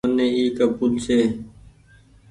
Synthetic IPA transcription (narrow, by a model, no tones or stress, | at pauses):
ənẽːiːkapuːlseː